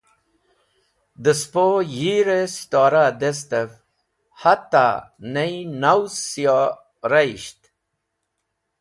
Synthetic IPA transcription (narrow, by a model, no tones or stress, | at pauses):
d̪əspojiɾesi̥t̪ɔːɾad̪es̬t̪ev | hat̪ːa̰nejnawsjo | ɾaiɕt̪